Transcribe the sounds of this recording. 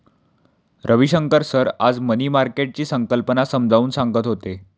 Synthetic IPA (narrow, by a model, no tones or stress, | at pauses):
ɾʔəʋiɕəŋkəɾsəɾad͡zməniːmaɾkeʈ̚t͡ɕiːsəŋkəlpənasəmd͡zʱauːnsãŋɡət̪ɦot̪e